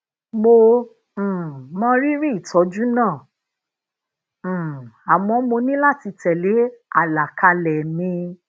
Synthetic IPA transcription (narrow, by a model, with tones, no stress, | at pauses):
mõ˧˨ | mɔ̃˦ɾi˦ɾi˦i˨tʰɔ˨˦d͡ʒu˦nãː˦˨ | a˨wɔ̃˧˦mo˧nĩ˦la˦˨ti˧tɛ˨le˨˦a˦˨la˨ka˧lɛ˨mĩ˧